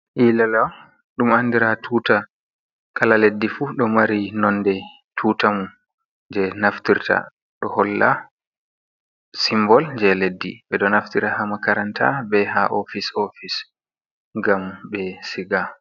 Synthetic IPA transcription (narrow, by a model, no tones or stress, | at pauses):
ʔilala | ɗumandiɾatʰuːta | kalaledːifuɗɔmaɾinɔnːdɛ | tʰuːtamu | d͡ʒɛnaftiɾtʰa̰ | ɗɔhɔlːa̰ | simbɔld͡ʒɛledːḭɓɛɗɔnaftiɾahamakaɾantʰa̰bɛɦaʔofisofis | ŋɡambɛsiɡa